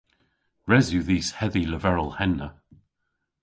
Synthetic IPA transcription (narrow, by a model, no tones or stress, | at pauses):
ɹɛzjuðiːshɛðiləvɛɹəlˠhɛnːə